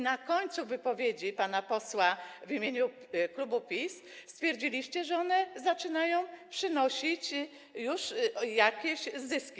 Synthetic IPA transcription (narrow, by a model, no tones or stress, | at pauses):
nakɔɲt̪suvɘpɔvʲjed͡ʑipanapɔswavimʲjeɲu | klubupʲis | st̪fʲjeɾd͡ʑilʲiɕt͡ɕɛʐɛɔnɛzat͡ʂɘnajɔ̃w̃pʂɘnɔɕit͡ɕ | juʂjakʲeɕzɘskʲi